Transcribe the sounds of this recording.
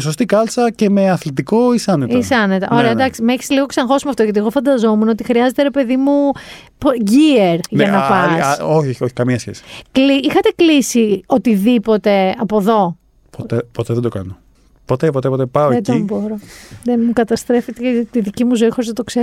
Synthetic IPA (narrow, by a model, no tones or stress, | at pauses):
so̞st̪ikɐlsɐce̞meɐθlit̪iko̞isɐnet̪ɐisɐnet̪ɐ̰ʔo̞ɾeɐd̪ɐksimeçi̥sliɣo̞ksɐnxo̞simeɐft̪oʝɐt̪ieɣo̞fɐnd̪ɐzo̞menoot̪ixɾiɐzet̪eɾe̞pe̞ðimu | poʝieɾʝɐnɐpɐsoçioçi̥kɐmiɐsçḛsi̥kliixɐt̪e̞klisio̞t̪iðipo̞t̪e̞ɐpo̞ðo̞ | pot̪epo̞t̪eðed̪o̞kɐno | po̞t̪epo̞t̪epo̞t̪epɐoed̪omboɾoðenmukɐt̪ɐst̪ɾe̞fet̪et̪iðicimuzo̞ixo̞ɾiznɐt̪o̞kseɾo